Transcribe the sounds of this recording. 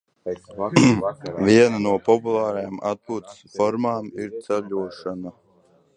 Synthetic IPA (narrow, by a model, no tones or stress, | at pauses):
viɛnanuɔpɔpulˠɑːɾajaːma̰t̪̚puːt̪sfɔɾmaːmiɾt̪sɛʎʲuɔʃana